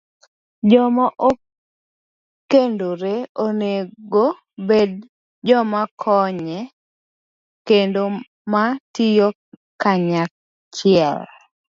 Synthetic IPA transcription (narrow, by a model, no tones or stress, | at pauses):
d͡ʒɔmaʔo | kendoɾeoneɡo | bed | d͡ʒɔmakʰɔɲɛ | kendo | matɪjo | kaɲak | t͡ʃɪɛl